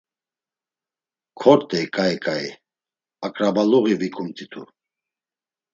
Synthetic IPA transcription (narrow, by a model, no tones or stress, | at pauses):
kʰɔɾt̪ʼɛkʼajkʼai | akʼɾabaluɣivikʰumt̪ʼit̪ʰṵ